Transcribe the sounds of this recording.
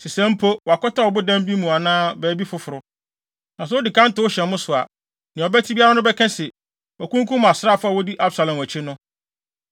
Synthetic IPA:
sɪ˨sɛ̃˦m̩˦pʰo˦wɔ˨a˨kɔ˦ta˦wɔ˨bʊ˦dã˦m˦bi˦mũ˨a˨nãː˦bɛː˨˦bi˦fʊ˨˦fʊ˨ɾʊ˨ | nã˨sʊ˨˦wʊ˦dɪ˨kʰã˦n̩˦tɪ˨wʊ˦ɕɛ̃˨nmʊ̃˦sʊ˨a̰˨ | nɪ̃˨ɔ˨bæ˦tʰi˦bi˦a˦ɾa˦nʊ̃˦bɛ˦kʰɛ̃˦sɛ˨ | ɔ˨kʰũ˦ŋ˦kʰũ˦m˨a˨sɾa˦˨fʊ˦a˨wo˦di˦ʔa˦bsa˨lã˨m˨æ˨t͡ɕʰɪ˦nʊ̃˦

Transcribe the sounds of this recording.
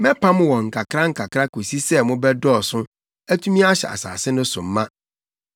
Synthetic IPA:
mɛ̃˦pʰa˦mʊ̃˦wɔ̃˨ŋ̩˨kʰa˨kʰɾa˦ŋ̩˨kʰa˨kʰɾa˦ko˨si˦sɛ˦mʊ̃˦bɛ˦dɔ˦˨sʊ̃˦ | æ˦tʰũ˦mĩ˦a˦ɕɛ̰˨a̰˨sa̰ː˨sɪ˦nʊ̃˦sʊ̰˨m̩˦mã˦

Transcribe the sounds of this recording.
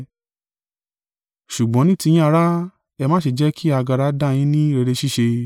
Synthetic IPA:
ʃu˨ɡ͡bɔ̃˨˦nĩ˦ti˧j̃ĩ˦a˧ɾa˦ | ɛ˧mã˦ʃe˧˨d͡ʒɛ˦kʰi˦a˧ɡa˧ɾa˧˦da˦˨j̃ĩ˨˦nĩ˦ɾe˧ɾe˧ʃi˦ʃe˧

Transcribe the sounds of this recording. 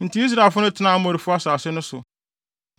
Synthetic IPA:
n̩˨tʰi˦i˦s̬ɾa˨e˨lfʊ˦nʊ̃˦tʰɪ˦nã˦m˦ɔ˨ɾi˨fʊ˦a˦saː˨sɪ˦nʊ̃˦sʊ˨

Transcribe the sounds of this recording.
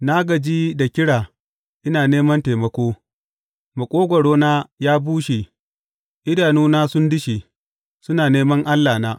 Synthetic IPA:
naː˦ɡɐ˨d͡ʒiː˦da˨kʲɪ˦ɽaː˨ | ʔɪ˦naː˨neː˦mɐ˦nteː˨mɐ˦kʷoː˦ | ma˨kʷʼoː˦ɡʷɐ˨ɽoː˦naː˦jaː˦buː˦ʃe˨ | ʔɪ˦daː˨nuː˦naː˦sʊ˦ndɪ˦ʃi˨ | sʊ˦naː˨neː˦mɐ˦ŋʔa˦lːaː˨naː˦

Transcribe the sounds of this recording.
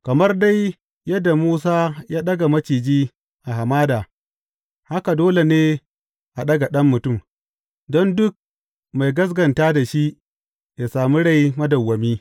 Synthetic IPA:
kɐ˨mɐ˦rda˦j | jɐ˦dːa˨muː˦s̬aː˦jaː˦ɗɐ˦ɡa˨mɐ˦t͡ʃiː˨d͡ʒiː˦ | ʔa˨ha˨maː˦daː˨ | ha˦ka˨doː˦le˨neː˦ | ʔa˨ɗɐ˦ɡa˨ɗɐ˦mːʊ˨tʊ˦˨m | dɔ˦ndʊ˦k̚ | ma˨jɡɐ˦s̬ɡɐ˨ntaː˦da˨ʃi˦ʔ | ja˨saː˨mi˦ɽa˦˨jmɐ˦dɐ˨wːɐ˨miː˦

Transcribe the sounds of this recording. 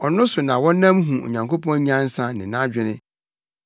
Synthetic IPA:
ɔ˨nʊ̃˦sʊ˨nã˨wɔ̃˦nã˦mɦũ˨o̰˨ɲã˨ŋko˦pɔ̃˦ɲ˦ã˦n̩˦sã˦nɪ̃˨nã˦d͡ʑᶣɪ˦nɪ̃˦

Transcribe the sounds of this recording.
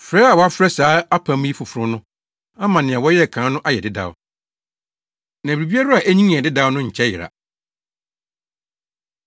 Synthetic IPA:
fɾɛː˦a˨wɔ˨˦a˦fɾɛ˦saː˨˦a˦pʰã˨˦m̃˦i˦fʊ˨fʊ˨ɾʊ̃˦nʊ̃˦ | ã˦mã˨nɪ̃˨a˨wɔ˦jɛ˦˨kʰãː˨˦nʊ̃˦ʔa˦jɛ˨dɪ˦da̰˨w | nã˨ɾi˨bi˦a˦ɾʊ˦a˨ʔæ˦ɲĩ˦ŋ̃˨ɛ˨dɪ˦da˦wnʊ̃˦ɲ̩˨t͡ɕʰɛ˦jɪ̰˨ɾa̰˨

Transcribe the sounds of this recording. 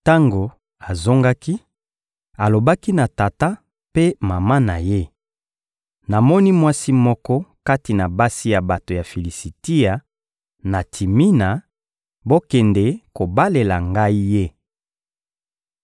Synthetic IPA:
ta˦ŋɡo˨ | a˨zo˦ŋɡa˦ki˦ | a˨lo˨ba˦ki˦na˨ta˨ta˦ | pe˦ma˨ma˦na˨je˦ | na˨mɔ˦ni˦mwa˦si˦mɔ˦kɔ˦ka˦ti˨na˨ba˦si˦ja˨ba˨to˨ja˨fi˨li˨si˨ti˦a˨ | na˨tʰi˨mi˦na˨ | bo˦kɛ˨ndɛ˨ko˨ba˦le˨la˨ŋɡa˦i˦je˦

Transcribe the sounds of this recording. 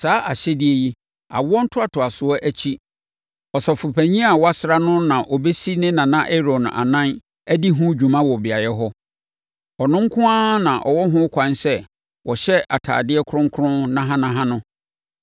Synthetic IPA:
saː˨˦ʔa˨ɕɛ˦dɪ˦e˦ji˦ | a̰˨wʊ˦ɔ˦n̩˦tʰʊ˦a˨tʰʊ˨a˨sʊ˨˦ɔ˦ʔæ˦t͡ɕʰi˦ | ɔ˨sɔ˨fʊ˨pʰæ˨ɲĩ˦a˨wɔ˦a˦sa˦nʊ̃˦nã˨ʔɔ˨be˦si˦nɪ̃˦nã˨nã˦ʔɛ˦ɾɔ˨n˨a̰˨nã˦n | æ˦di˦ɦʊ̃˦d͡ʑᶣũ˨mã˦wɔ˨bɪ˨a˨jɛ˦ɦɔ˦ | ɔ˨nʊ̃˦ŋ̩˦kʰʊ̃˦ã˦nã˨ʔɔ̰˨wɔ˦ɦʊ̃˦kʷʰã˨nsɛ˦ | wʔɔ˨ɕɛ˦a̰˨tʰa̰ː˨dɪ˦ɛ˦kʰɾʊ̃˦ŋ˦kʰʊ˦ɾʊ̃˦nã˦ɦã˦nã˦ɦã˦nʊ̃˦

